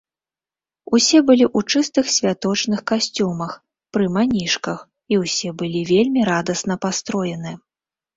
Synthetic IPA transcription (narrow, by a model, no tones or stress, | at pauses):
usʲɛbɨlʲiʔut͡ʂɨst̪ɨxsʲvʲat̪ɔt͡ʂnɨxkasʲt͡sʲumɐx | pɾɨmanʲiʂkɐx | iwsʲɛbɨlʲivʲelʲmʲiɾad̪ɐsnɐpast̪ɾɔjɛnɨ